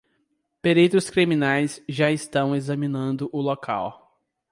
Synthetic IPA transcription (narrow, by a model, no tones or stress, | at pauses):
peɾit̪ɾʊskɾimĩnajsʒaɪst̪ɐ̃w̃ezɐmĩnɐ̃nd̪ʊʔʊlokʰa̰w